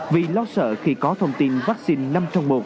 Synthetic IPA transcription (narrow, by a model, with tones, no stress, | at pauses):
vi˨˩lɔ˧sə̰ː˧˨xi˧kɔ˨˦t̪ʰə˧wŋ͡mt̪i˧nvaː˦˥k̚si˧nna˧mt͡ɕɔ˧wŋ͡mmo˨˩t̚